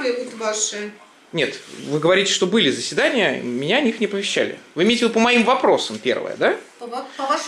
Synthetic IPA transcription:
lʲeɡut̪vaʂɨ | nʲe̞t̪vɨɡəvɐɾʲitʲɪ̥ʂt̪o̞bɨlʲɪzəsʲvʲɪd̪anʲɪjəmʲɪnʲanʲixnʲɪpəvʲɪɕːæ̰lʲɪ̰vɨɪmʲejtʲɪɪd̪upəmɐimvɐpɾo̞səmpʲe̞̰rvə̰jə̰d̪a | p

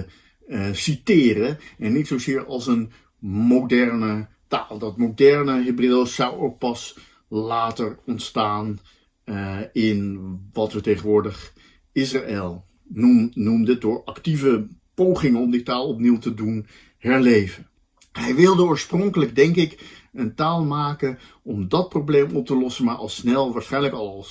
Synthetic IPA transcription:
sitɪːrəɛnːitsowzɪːɹɑlˠsən | mowdɛɹnə | taːlˠdɑtmowdɛɹnəɦebrɪːlˠsɑwowk̚pɑs | laːtərɔntstaːn | ɪnʋɑtfətejχənʋʊːɹdəχ | ɪsraʔelˠ | nunumdəədʊːɹɑktivəpowχɪŋənɔmditaːlˠɔp̬niwtədun | ɦɛɹlejvən | ɦɛjʋɪlˠdəʊːɹsprɔŋkələɡdɛŋkɪkəntaːlˠmaːkən | ɔmdɑt̚prowblejmɔp̚təlɔsəmaːɹʔɑ̰lˠsnɛlˠʋaːɹsχɛjnləkɑlˠɑlˠ

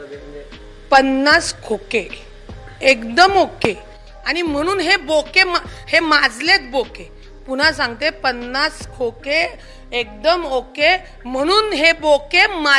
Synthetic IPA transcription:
pənːaskʰoke | ekd̪əmoke | aɽ̃im̤əɽ̃uːnɦebokemahemad͡zlet͡s̪boke | pun̤as̬ãŋɡt̪epənːaskʰoke | ek̚d̪əmoke | m̤əɽ̃uːnɦebokema

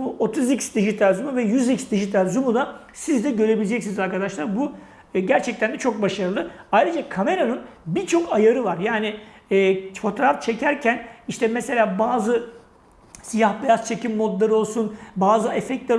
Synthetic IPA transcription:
ot̪ʰuzicsd̪iʒit̪ʰalʲzumuvɛjyzicsd̪iʒit̪ʰalʲzumud̪a | sizd̪ɛɟø̞ɾe̞bilʲed͡ʒɛcsinizaɾkad̪aʃlˠaɾbu | ɟæɾt͡ʃʰɛc̚t̪ænd̪ɛt͡ʃʰo̞k̚baʃaɾɯlˠɯajɾʲɯd͡ʒakʰame̞ɾanɯnbit͡ʃʰo̞kajaɾɯvaɾjaːnɪ | ɛːfo̞t̪ʰo̞ɾaft͡ʃʰe̞cʰæɾcʰæniʃt̪ʰɛmɛse̞lʲaːbaːzɯ | sijahbejast͡ʃʰe̞cʰimːo̞d̪lˠaɾɯo̞lˠsunbaːzɯefɛc̚t̪lʲæɾ

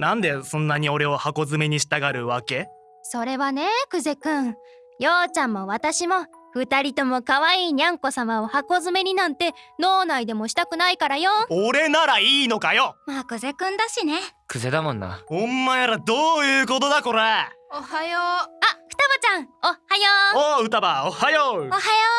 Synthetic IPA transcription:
nãnd̪e̞sõ̞nːaɲ̟io̞ɾe̞ohako̞zɨme̞ɲ̟iɕi̥t̪aɡaɾɯ̟βake̞ | so̞ɾe̞βane̞kɯ̟ze̞kɯ̟̃ɴ | joːt͡ɕãmːo̞βat̪aɕimo̞ | ɸɯ̟t̪aɾʲit̪o̞mo̞kaβaiːɲ̟ʲãŋko̞samaohako̞zɨme̞ɲ̟inãnt̪e̞no̞ːnaid̪e̞mo̞ɕi̥t̪akɯ̟naikaɾajooɾe̞naɾaiːno̞kajomaːkɯ̟ze̞kɯ̟̃nd̪aɕinekɯ̟ze̞d̪amõ̞nːa̰õmːaj̪aɾad̪oːjɯ̟ːko̞t̪od̪ako̞ɾeohajoaɸɯ̟̥t̪abat͡ɕãŋ̃ohajoːoɯ̟t̪abaohajoohajo

